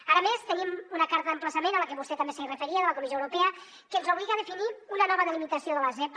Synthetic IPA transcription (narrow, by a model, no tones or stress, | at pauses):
aɾəmest̪ənimunəkaɾt̪əðəmpləsəmenələkəβust̪eɛt̪ambesəirəfəɾiəðələkumizjoəwɾupɛə | kənzowβliɣəðəfiniunənɔβəðəlimit̪əsioðələzɛp